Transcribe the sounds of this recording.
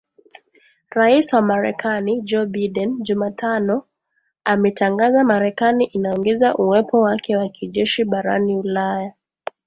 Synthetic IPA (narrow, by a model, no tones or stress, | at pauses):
ɾaiswamaɾɛkanid͡ʒɔɓaɗɛnʄumatʰanɔ | amɛtaŋɡazamaɾɛkaniʔinaɔŋɡɛzaʔuwɛpɔwakʰɛwakʰiʄɛʃiɓaɾa̰niulaja